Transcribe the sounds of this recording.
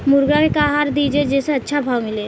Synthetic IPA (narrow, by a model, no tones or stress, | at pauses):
mʊɾɡakekaːɦaːɾd̪iːd͡ʒed͡ʒɛːseɐtːʃʰabʱaːwmɪleː